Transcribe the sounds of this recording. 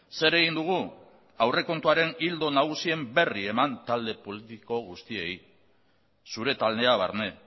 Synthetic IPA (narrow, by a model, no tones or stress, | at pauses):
se̞ɾe̞ɣind̪uɣ̞u | awre̞ko̞nt̪uaɾe̞nild̪o̞naɣ̞usie̞mbe̞rie̞mant̪ald̪e̞po̞lit̪iko̞ɣust̪ie̞j | suɾe̞t̪alne̞aβ̞aɾne̞